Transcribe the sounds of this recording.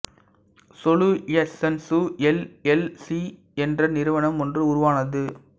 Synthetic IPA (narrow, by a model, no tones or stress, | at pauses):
sɔluɛsɛnsuɛlɛlsi | ɛndrɐnɪɾɯʋɐɳɐmɔndrɯʊɾʊʋaːnɐðɯ